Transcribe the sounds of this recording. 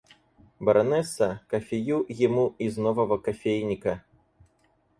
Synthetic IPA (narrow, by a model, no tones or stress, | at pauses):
bɐɾʔɐnɛsːɐkɐfʲejujimuiznɔvɐvɐkɐfʲejnʲikɐ